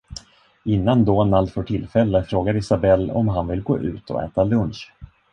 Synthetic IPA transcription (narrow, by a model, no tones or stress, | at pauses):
ɪnːand̪oːnald̪fœʈʰɪlfɛlːəfɾoːɡaɾɪsabɛlːɔ̰mɦanvɪlɡo̰ːʔʉ̟̰ːt̪ʰɔ̰ɛ̰ːt̪alɵnɕ